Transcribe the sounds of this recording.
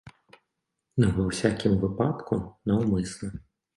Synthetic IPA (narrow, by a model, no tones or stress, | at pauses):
nɛʋɛwsʲakʲɪmʊʋɪpɑt̪kʊnɐɔmɪsnˠɛ